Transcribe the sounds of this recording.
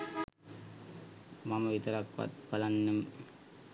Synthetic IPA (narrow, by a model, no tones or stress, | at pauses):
mɐmɐʋit̪ɐɾɐkʋɐ̰t̪̚pɐlɐnːɯm